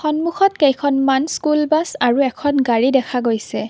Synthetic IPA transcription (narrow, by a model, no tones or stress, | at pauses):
xɔnmuxɔt̚kejkʰɔnmanskulbasaɹuɛkʰɔnɡaɹidɛkʰaɡojsɛ